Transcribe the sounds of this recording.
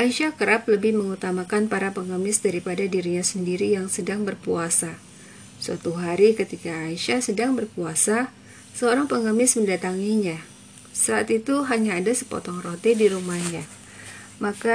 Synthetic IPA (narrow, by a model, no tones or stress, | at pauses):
ʔaiʃakəɾapləbɪhməŋut̪amakanpaɾapəŋəmɪsdaɾipadadiɾiɲasəndiɾijaŋsədaŋbərpuasa | swa̰t̪uɦaɾikət̪ikaːiʃasədaŋbərkuasa | səoɾaŋpəŋəmɪsməndat̪aŋiɲa | saat̪it̪uɦaɲaːdasə̥po̰t̪ɔŋrot̪idiɾumahɲa | maka